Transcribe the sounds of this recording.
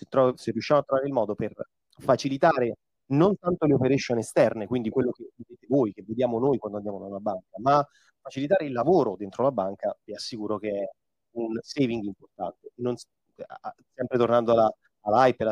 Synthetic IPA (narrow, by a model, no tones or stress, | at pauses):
set̪ːɾɔserːiuʃːamoat̪ːɾovaːɾeilmɔːd̪oper | fat͡ʃilit̪aːɾe | nont̪ant̪oleopeɾeʃonest̪ɛrnekwind̪ikwelːok̟eved̪eːt̪evoːjk̟evːed̪jaːmonoːjkwand̪oand̪jaːmonalːabaŋkama | fat͡ʃilit̪̬aːɾeilːavoːɾod̪ent̪ɾolabaŋkaviasːikuːɾokeɛ | unsejviŋɡimport̪a̰nt̪enːons | sɛmpɾet̪ornand̪oala | alːajpel